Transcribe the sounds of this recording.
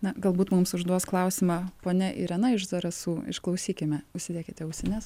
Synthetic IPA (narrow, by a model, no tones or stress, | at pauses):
nɐɡɐlˠbuːt̪mumsʊʒd̪uɔsklˠɐʊsʲɪmɑpoːnʲɛʔiɪ̰ɾɛnɐɪʒd̪ɐɾɐsuɪ̰ʃklˠɐʊsʲiːkʲɪmʲɛʊʃʲsʲɪd̪ʲiɛkʲɪt̪ʲɛʊʃʲsʲɛnʲɛs